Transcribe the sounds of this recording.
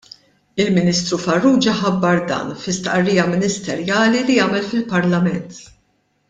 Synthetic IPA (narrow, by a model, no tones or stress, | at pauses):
ɪlmɪniːst̪ɾufɐrːuːd͡ʒɐħɐbːɐɾd̪ɐ̰ːnfɪst̪ʔɐrːiːjɐmɪnɪst̪ɛɾjɐːlilijɐːmɛlfɪlpɐɾlɐmɛnt̪